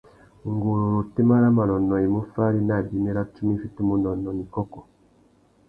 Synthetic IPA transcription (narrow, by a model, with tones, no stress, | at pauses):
ŋɡu˨lu˨ɾu˨ti˦ma˦ɾa˦ma˨nɔ˨nɔ˨i˨mu˦fa˦ɾi˦na˦˨di˨mi˦ɾa˦tu˦mi˦fi˦tu˦mu˨nɔ˨nɔ˨ni˨kɔ˦kɔ˨